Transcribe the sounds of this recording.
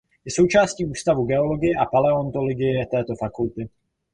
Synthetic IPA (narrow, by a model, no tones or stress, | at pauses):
jɛso̞wt͡ʃaːsciːʔuːst̪avuɡɛo̞lo̞ɡɪjɛʔapalɛo̞nt̪oloɡɪjɛt̪ɛːt̪o̞fakult̪ɪ